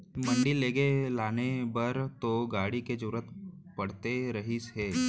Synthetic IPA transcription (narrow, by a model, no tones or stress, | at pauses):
mə̃ɳɖileːɡelaːnebəɾt̪oɡaːɽiked͡ʒʊɾət̪ | pɐɽ̤t̪eɾɐɦisɦeː